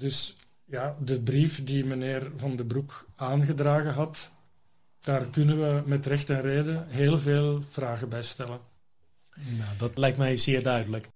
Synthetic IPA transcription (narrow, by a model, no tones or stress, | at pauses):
dɵs | jadəbrifdimənɪːrvɑndəbrukaːnɣədraːɣəɦɑt | d̥aːrkʏnəʋəmɛtrɛxtɛnreːdəɦeːlˠveːlˠv̥raːɣəbɛjstɛlən | nadɑtlɛjk̚tmɛjzɪːrdœɥdələk